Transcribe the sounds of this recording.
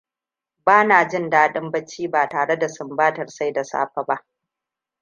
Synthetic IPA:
baː˦naː˨d͡ʒɪ˦˨ndaː˦ɗɪ˦mbɐ˦t͡ʃːiː˦baː˨taː˨ɽe˦da˨sʊ˨mbaː˦tɐ˨rsa˦jda˨sa̰ː˦ɸa˨ba˦ʔ

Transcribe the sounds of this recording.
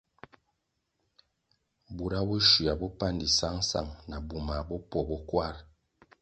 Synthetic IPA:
bu˨ɾa˦bɔ˦ʃu˨a˨bɔ˦pa˦ndi˨sa˦ŋsa̰˦˨ŋna˨bu˨ma˨bɔ˦pɔ˨bɔ˦kwa˦ɾ

